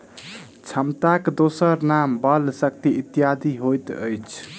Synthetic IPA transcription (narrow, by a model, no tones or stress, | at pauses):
t͡ʃʰəmt̪akd̪osəɾnambəlsək̚t̪iit̪ːijad̪ʱiɦojt̪ə̰jt͡ʃʰ